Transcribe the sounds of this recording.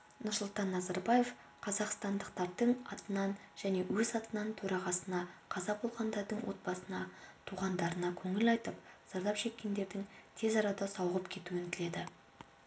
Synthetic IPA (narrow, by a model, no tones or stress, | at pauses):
nʊɾsʊlˠt̪ɑnːɑzɑɾbɑje̞f | qʰɑzɑqst̪ɑnd̪əqt̪ɑɾd̪əɴɑt̪ənɑnʒ̥æne̞wʔɵzɑt̪ənɑnt̪ʰɵɾɑʁɑsənɑqʰɑzɑbo̞lˠʁɑnd̪ɑɾd̪əɴwo̞̰t̪̚bɑsənɑt̪ʰuʁɑnd̪ɑɾənɑkʲʰɵŋɪlɑjt̪əpz̥ɑɾd̪ɑpʃe̞kʲːe̞nd̪e̞ɾd̪ɪŋt̪ʰe̞zɑɾɑd̪ɑsɑwʁəpkʲʰe̞t̪uwɪŋkʲʰɪle̞d̪ɪ